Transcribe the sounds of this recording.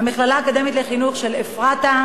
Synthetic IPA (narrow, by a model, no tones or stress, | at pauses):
amiχlalaakod̪emet̪leχinuχʃe̞lefʁat̪a